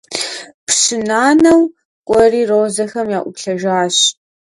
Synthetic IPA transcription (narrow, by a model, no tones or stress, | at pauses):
pɕɪnaːnɐw | kʷʼɔriːroːzɐxɐmjaːʔʷʊpɬɐʒaːɕ